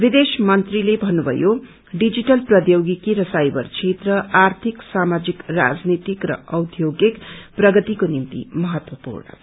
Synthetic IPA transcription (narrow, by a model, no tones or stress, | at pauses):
bid̪esmʌnt̪rilebʱʌnːubʱʌ̰jo | ɖid͡ziʈʌlprʌd̪joɡikiɾʌsajbʌrt͡sʰet̪rʌʔart̪ʰiksamad͡zikra̰d͡znit̪ikrʌ̰ʌwd̪ʱjoɡekprʌɡʌt̪ikonimt̪ḭmʌɦʌt̪wʌpṵrɳʌ̰